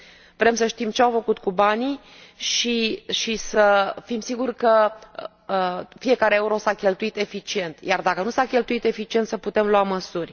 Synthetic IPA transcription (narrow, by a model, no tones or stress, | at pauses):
vɾe̞msəʃt̪imt͡ʃeawfəkut̪kubani | ʃiʃisəfimsiɡurkə | əfije̞kaɾeeuɾo̞sakʲe̞lt̪uit̪e̞fit͡ʃie̞nt̪jard̪akənusakʲe̞lt̪uit̪e̞fit͡ʃie̞nt̪səput̪e̞mluaməsurʲ